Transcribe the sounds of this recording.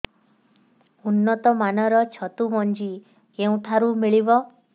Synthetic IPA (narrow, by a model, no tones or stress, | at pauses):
unːɔt̪ɔmanɔɾɔt͡ʃʰɔt̪umɔnd͡ʒi | keũt̪ʰaɾumiɭibɔ